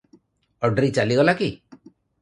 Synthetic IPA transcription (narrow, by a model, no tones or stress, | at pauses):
ɔɖɾit͡ʃaliɡɔlaki